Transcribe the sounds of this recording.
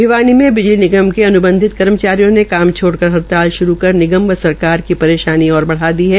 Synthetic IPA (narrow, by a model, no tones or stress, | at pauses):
bʱɪʋaːnimẽbɪd͡ʒlinɪɡəmkeɐnʊbə̃nd̪ʱɪt̪kɐɾmət͡ʃaːɾijõnekaːmt͡ʃʰoːɽkɐɾɦɐɾt̪aːlʃʊɾukɐɾnɪɡəmʋəsɐɾkaːɾkipɐɾeːʃaːniɔːɾbɐɽ̤aːd̪iɦɛː